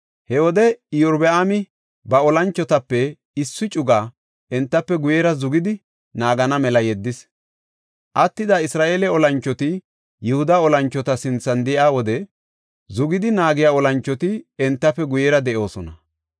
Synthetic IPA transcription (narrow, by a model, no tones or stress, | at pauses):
hɛwɔd̪ɛjɔɾbɛaːmɪ | bɐɔlɐnt͡ʃːɔt̪ɐpːɛ | ɪsːɪt͡ʃʼʊɡaː | ʔɛnt̪ːɐpːɛɡʊjɛɾɐzʊɡɪd̪ɪ | naːɡɐnɐmɛlɐjɛd̪ːɪs | ʔɐt̪ːɪd̪aɪsɾaːʔeːlɛɔlɐnt͡ʃːɔt̪ɪ | jʊhʊd̪aɔlɐnt͡ʃːɔt̪ɐsɪnt͡sːɐnd̪ɪʔaːwɔd̪ɛ | zʊɡɪd̪ɪnaːɡɪjaːɔlɐnt͡ʃːɔt̪ɪɛnt̪ːɐpːɛɡʊjɛɾɐd̪ɛʔo̞ːsɔnɐ̰